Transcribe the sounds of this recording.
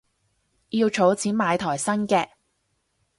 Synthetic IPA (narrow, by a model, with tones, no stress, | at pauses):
jiː˧wt͡ʃʰo˨˥wt͡sʰiː˨˥nmaː˨˧jt̪ʰɔː˨˩jsɐ˥nkɛː˧